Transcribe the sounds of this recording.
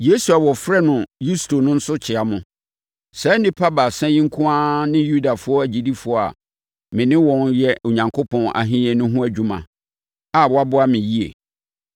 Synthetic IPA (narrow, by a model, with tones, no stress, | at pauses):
je˦su˨a˨wɔ˨fɾɛ˦nʊ̃˨ju˦sto˨nʊ̃˦n̩˦sʊ˦t͡ɕʰɪ˨a˨mʊ̃˨ | sɛ˨˦nɪ̃˦pʰa˦ba˨sɛ̃˦jɪ̃˦ŋ̩˦kʰʊ̃˦ã˦nɪ̃˦ju˦da˨fʊ˦ɔ˦æ˨d͡ʑi˨di˦fʊ˦ɔ˦a̰˨ | mɪ̃˨nɪ̃˦wɔ̃˦njɛ˦o˨ɲã˨ŋkʰo˦pʰɔ̃˦na̰˨ɦɪ̃˦ɛ̃˨nʊ̃˦ɦʊ̃˦æ˨d͡ʑᶣũ˦mã̰˨ | a˨wɔ˦a˦bʊ˦a˦mɪ̃˨ji˦ḛ˨